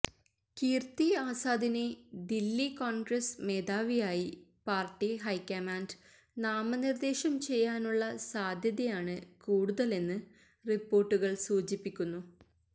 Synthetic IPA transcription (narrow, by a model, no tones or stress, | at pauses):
kiːrt̪iaːsaːd̪ʱine̞d̪ilːikoːɳɡrɐsme̞ːd̪aːʋijaːjipaːrʈːiɦɐjkːɐmaːnd | naːmɐnird̪e̞ːɕɐmt͡ɕe̞jːaːnuɭːɐsaːd̪ʱjɐðɐjaːɳɨkuːɽuðɐle̞nːɨ | ripːo̞ːrʈːuɣɐɭsuːt͡ɕipːikʲːunːu